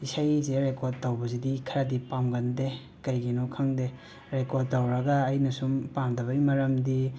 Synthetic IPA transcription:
isajzeɾekoɾd̚tɐwbɐzidikʰɐɾadipamɡɐnde | kɐjɡinokʰɐŋde | ɾekod̚tɐwɾɐɡɐːjnɐsumpamdɐβɐimɐɾɐmdi

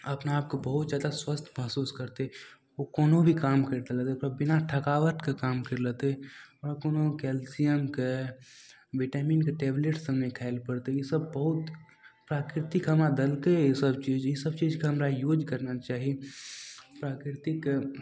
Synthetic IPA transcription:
ɐpneaːp̚kobəɦʊt̪zjaːd̪aswəst̪ʰməɦsuːskəɾt̪e | okoːnobʱikaːmkəɾd̪elet̪epɾabɪnaʈʰəkaːʋəʈ̪kekaːmkəɾlet̪eɔːɾkoːnokɛːlsijəmke | ʋiʈaːmiːnkeʈeːbleʈsəmnekʰaːɪlpəɽt̪ejisəbbəɦʊt̪ | pɾaːkɾɪt̪ɪkɦəmɾad̪əlkejesəbt͡ʃiːd͡ʒjisəb̚t͡ʃiːd͡ʒkeɦɐmɾajuːd͡ʒkəɾnat͡ʃaːɦi | pɾaːkɾɪɾt̪ɪk

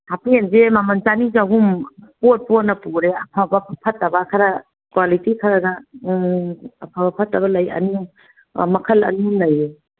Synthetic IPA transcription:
hapʰienzemamɐnt͡ʃanizaɡumpot̚pot̚nɐpuɾeɐpʰabɐpʰɐtːɐbɐkʰɐɾa | kwalitikʰaɾana | ɐpʰabɐpʰɐtːɐbɐlɐjɐ̰nu | mɐkʰɐlɐ̰numnɐje

